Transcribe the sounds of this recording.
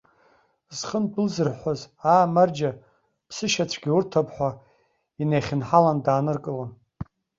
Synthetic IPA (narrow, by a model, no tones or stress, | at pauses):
z̥χənbɨlzɨrħʷaz | aːmard͡ʒa | pʰsɨʃat͡ɕʷʰɡʲiurtʰapʰʼħʷa | inejχʲɪnħalandaːnɨrkʼɨlan